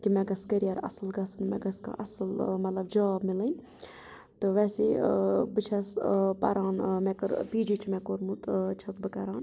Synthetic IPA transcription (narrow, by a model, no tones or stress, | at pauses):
kimẽɡɐskəɾijɐɾɐ̰sɨlɡɐsnumeɡɐska̰ʔɐsəlmɐt̪lɐbd͡ʒɐʋaːbmilənʲ | t̪ɨʋɛːseːbɨt͡ʃʰɐspɐ̰ɾaːnmɛkəɾpiːd͡ʒit͡ʃʰmɛːkoːɾmut̪t͡ʃʰɐsbɨkɐɾaːn